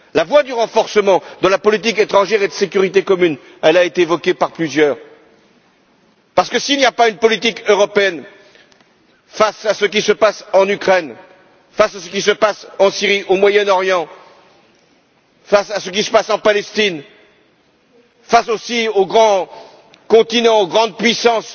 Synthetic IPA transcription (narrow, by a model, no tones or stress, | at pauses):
lavwad̪yʁɑ̃fɔʁsəmɑ̃d̪ɑ̃lapɔlit̪̬iket̪χɑ̃ʒɛʁed̪əsek̬ʲyʁit̪ekɔmyn | ɛlaet̪eːvɔkʲepaʁplyzjœːʁ | paʁsə̥kəsilnijapaynpɔlit̪ikøʁɔpeɛn | fasasək̬ʲisəpasɑ̃nykχɛn | fasasə̥kʲisəpasɑ̃siʁiʔomwajɛnɔʁjɑ̃ | fasasək̬ʲisə̥pasɑ̃palɛst̪in | fasosioɡʁɑ̃ | kɔ̃t̪inɑ̃oɡʁɑ̃d̪̚pɥisɑ̃s